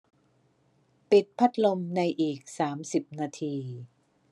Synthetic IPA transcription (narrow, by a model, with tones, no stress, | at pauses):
pi˨˩t̪̚pʰa˦˥t̪̚lo˧mna˧jʔiː˨˩k̚saː˩˦msi˨˩p̚naː˧t̪ʰiː˧